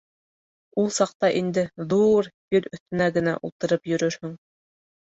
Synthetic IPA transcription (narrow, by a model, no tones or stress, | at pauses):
ulˠsɑq̚t̪ɑʔind̪ɘðuɾjɵlɵ̆θt̪ɵ̆næɡɘ̆næ̰ʔulˠt̪ɤ̆ɾɤpjɵ̆ɾɵɾhɵŋ